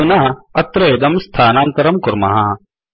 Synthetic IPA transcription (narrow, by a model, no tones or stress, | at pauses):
unɐɦɐt̪ɾɐeːd̪ɐmst̪ʰaːnaːnt̪ɐɾɐmkʊɾmɐ̰ɦa